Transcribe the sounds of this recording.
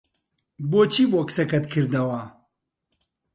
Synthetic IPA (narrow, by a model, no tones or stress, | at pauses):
boːt͡ʃʰiːboksɐkɐt̪kʰɨɾd̪ɐwa